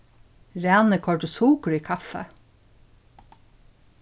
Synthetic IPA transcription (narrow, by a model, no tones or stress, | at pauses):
ɾæːnəkʰɔʈəsuːkəɾiːkʰɑfə̰